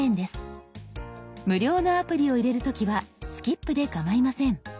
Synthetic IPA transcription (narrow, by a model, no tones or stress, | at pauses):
ẽ̞nd̪e̞sɨ̥ | mɯ̟ɾʲo̞ːnoapɯ̟ɾʲio̞iɾe̞ɾɯ̟t̪o̞kʲiβasɨ̥kʲipːɯ̟d̪e̞kamaimasẽ̞ɴ